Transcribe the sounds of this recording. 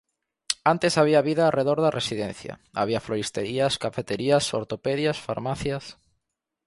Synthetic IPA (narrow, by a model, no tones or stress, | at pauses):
ant̪esaβiaβiðaːrʔeðoɾðaresiðẽnθjɐ̰a̰βiɐfloɾist̪eɾiaskafet̪eɾiaso̰ɾt̪opeðjasfa̰ɾmaθjas